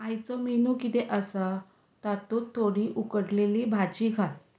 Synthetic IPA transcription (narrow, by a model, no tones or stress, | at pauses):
ajt͡sɔminukit̪eʔəsə | t̪at̪ut̪ʰːoɽiʔukəɽleliːbʱad͡ʑiɡʱal